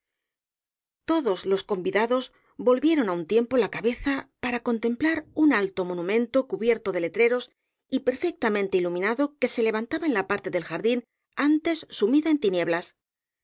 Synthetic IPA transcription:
t̪o̞ðo̞zlo̞sko̞mbiðaðo̞z | bo̞lβje̞ɾo̞naunt̪je̞mpo̞lakaβe̞θapaɾako̞nt̪e̞mplaɾunalt̪o̞mo̞nũmẽ̞nt̪o̞kuβje̞ɾt̪o̞ðe̞le̞t̪ɾe̞ɾo̞s | ipe̞ɾfe̞k̚t̪amẽ̞nt̪e̞ilumĩnaðo̞ke̞se̞le̞β̞ant̪aβaenlapaɾt̪e̞ðelxaɾðin | ant̪e̞sːumiðae̞nt̪inje̞βlas

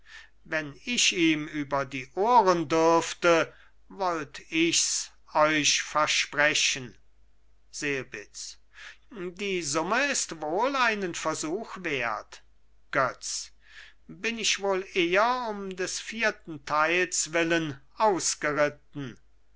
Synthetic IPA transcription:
vɛnɪʃiːmyːbɐdiːʔoːʁəndʏʁftə | vɔltɪçs | ɔʏʃfɛɐʃpʁɛʃən | z̥eːəbɪt͡s | diːzʊməɪstvoːlaɪnənfɛɐzuːxveːɐt | ɡ̥œt͡s | bɪnɪçvoːleːɐʊmdɛsfiːɐtn̩tʰaɪlsvɪlən | aʊsɡ̥əʁɪt̚n̩

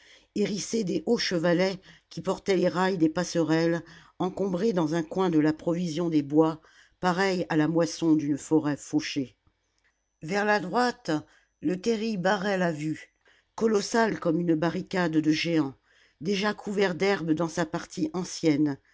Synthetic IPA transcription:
eʁised̪eʔoʃəvalɛkʲipɔʁt̪ɛleʁajd̪epasəʁɛl | ɑ̃kɔ̃bʁed̪ɑ̃zɛ̃kwɛ̃d̪əlapχɔvizjɔ̃d̪ebwa | paʁɛjalamwasɔ̃d̪ynfɔʁɛfoʃe | vɛʁlad̪ʁwat̪ | lət̪eʁibaʁɛlavy | kɔlɔsalkɔmynbaʁikʲad̪d̪əʒeɑ̃ | d̪eʒakʰuvɛʁd̪ɛʁbd̪ɑ̃sapaʁt̪ʰiʔɑ̃sjɛn

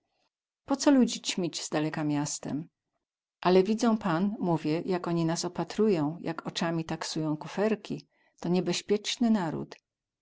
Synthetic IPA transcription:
pɔt̪sɔlud͡ʑit͡ɕmʲid͡ʑz̥d̪alɛkamʲjast̪ɛ̰m | ʔalɛvʲid̪zɔ̃w̃panmuvʲjɛjakɔɲinasɔpat̪ɾujɔ̃w̃jʔakɔt͡ʂamʲit̪aksujɔ̃w̃kufɛɾkʲi | t̪ɔɲɛbɛɕpʲjɛt͡ʂnɘnaɾṵt̪

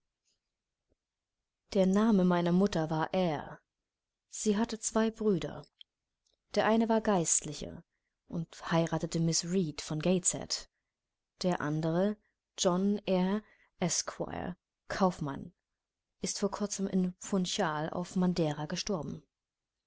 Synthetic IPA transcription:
d̥eːɐnaːməmaɪnɐmʊtɐvaːɐʔeːɐ | z̥iːɦatət͡sv̥aɪbʁyːdɐ̰ | d̥eːɐʔaɪnəvaːɐɡaɪstlɪçə̰ | ʔʊnthaɪʁaːtətəmɪsʁiːtfɔnɡeɪt͡sɛ̰t | d̥eːɐʔa̰ndəʁə | d͡ʒɔnʔɛːɐ | ʔɛskʰwa̰ɪ̰ | kʰaʊfma̰n | ʔɪstfoːɐkʰʊɐt͡səmɪ̰nfʊnçaːla̰ʊfmandɛːʁaɡəʃtɔɐbm̩

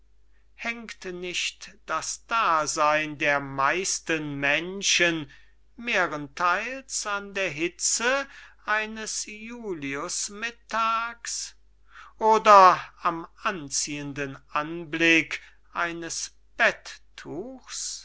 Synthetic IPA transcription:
hɛŋktnɪʃtd̥asd̥aːzaɪndeːɐmaɪstənmɛnʃən | meːʁəntʰaɪlsandeːɐɦɪt͡səʔaɪnəsjuːliʊsmɪtʰaːks | ʔoːdɐamant͡siːəndənʔanblɪk | ʔaɪnəs | b̥ɛtʰː | uːxs

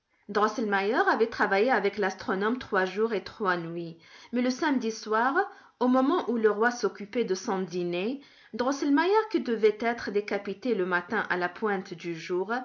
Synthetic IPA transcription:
d̪ʁɔsɛlmajœʁavɛt̪χavajeavɛklast̪χɔnɔmt̪χwaʒuʁet̪χwanɥimɛləsamd̪iswaʁ | omɔmɑ̃ʔuləʁwasɔkʲypɛd̪əsɔ̃d̪ine | d̪ʁɔsɛlmajœʁkʲid̪əvɛt̪ɛt̪χəd̪ekapit̪eləmat̪ɛ̃ʔalapwɛ̃t̪d̪yʒuːʁ

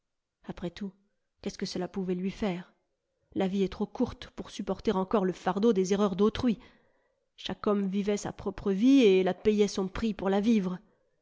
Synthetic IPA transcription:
apχɛt̪u | kʲɛskəsəlapuvɛlɥifɛːʁ | laviɛt̪χokuʁt̪puʁsypɔʁt̪eʁɑ̃kɔʁləfaʁd̪od̪ezeʁœʁd̪ot̪χɥi | ʃakɔmvivɛsa̰pχɔpχəvielapɛjɛsɔ̃pχipuʁlavivʁ

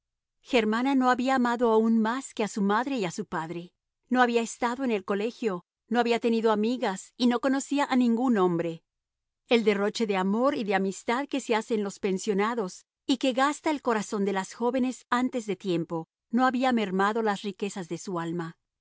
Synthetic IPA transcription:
xeɾmanano̞aβiaːmaðoaunmaske̞asumaðɾe̞iasupaðɾe̞ | no̞aβiaest̪aðoene̞lko̞le̞xjo̞ | no̞aβiat̪e̞niðo̞amiɣasino̞ko̞no̞siaʔanĩŋɡunõ̞mbɾe̞ | eld̪e̞ro̞t͡ʃe̞ðe̞amo̞ɾiðe̞amist̪aðke̞se̞ase̞nlo̞spe̞nsjo̞naðo̞s | ike̞ɣast̪ae̞lko̞ɾaso̞nd̪e̞lasxo̞βe̞ne̞sant̪e̞zðe̞t̪je̞mpo̞ | no̞aβiame̞ɾmaðo̞lasrike̞sazðe̞sualma

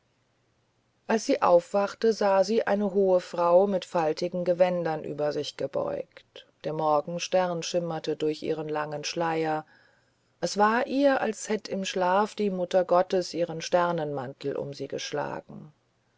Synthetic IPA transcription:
ʔalsz̥iːʔa̰ʊfv̥aχtəzaːziːʔa̰ɪnəɦoːəfʁ̥aʊmɪtfaltɪɡŋ̩ɡəvɛndɐnʔy̰ːbɐzɪçɡ̥əbɔ̰ʏktd̥eːɐmɔɐɡŋ̩ʃtɛʁɐnʃɪmɐtədʊɐçʔḭːʁənlaŋənʃlaɪɐ | ʔɛsv̥aːɐʔiːɐʔa̰lshɛtəɪmʃlaːfd̥iːmʊtɐɡɔtəsʔiːʁənʃtɛʁnənmantʰl̩ʔʊ̰mziːɡəʃla̰ːɡ̥ŋ̩

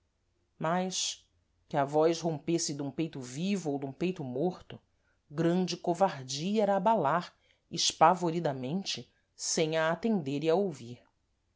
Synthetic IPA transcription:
majʃ | kɪɐvɔjʃɦõmpesɪd̪ũpejt̪ʊvivʊowd̪ũpejt̪ʊmoɾt̪ʊ | ɡɾɐ̃nd͡ʒɪkovaɾd͡ʒiɐɛɾɐːbalaɾ | ɪʃpavoɾid̪ɐmẽnt͡ʃɪ | sẽj̃aːt̪ẽnd̪eɾiaowviɾ

